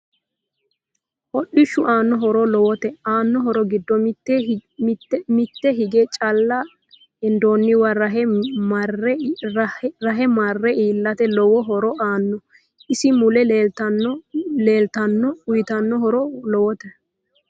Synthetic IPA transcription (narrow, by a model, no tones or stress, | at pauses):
hɔɗːɪʃːʊʔaːnːɔɦɔɾɔlɔwɔt̪ɛaːnːɔɦɔɾɔɡɪd̪ːɔtː | mɪt̪ːɛɦɪɡet͡ʃʼɐlːa | ɛnd̪oːnːɪwɐɾɐɦɛmɐr | ɾɐɦɛmɐrːɛiːlːɐt̪ɛlɔwɔɦɔɾɔʔaːnːɔ | ɪsɪmʊlɛlet̪ɐ | leːlt̪ɐnːɔʊjt̪ɐnːɔɦɔɾɔlɔwɔt̪ɛ